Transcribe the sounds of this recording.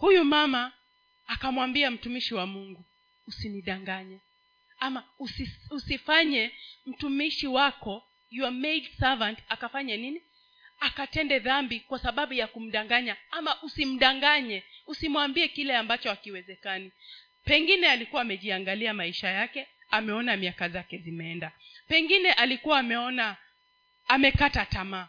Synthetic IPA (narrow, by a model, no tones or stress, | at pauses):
hujumamaː | kamwambiam̩tumiʃiwamuŋɡu | usiniɗaŋɡaɲɛ | amausiusifaɲɛm̩tumiʃiwakɔ | juamedsavantakafaɲanini | akatɛndɛðambikwasaɓaɓujakum̩ɗaŋɡaɲaamaʔusim̩ɗaŋɡaɲɛusimwambiɛkilɛambat͡ʃɔakiwɛzɛkani | pɛŋɡinɛalikuwaːmɛʄiaŋɡaliamaiʃajakɛ | amɛɔnamiakazakɛzimɛɛndapɛŋɡinɛʔalikuwaːmɛɔnaː | mɛkatatamaː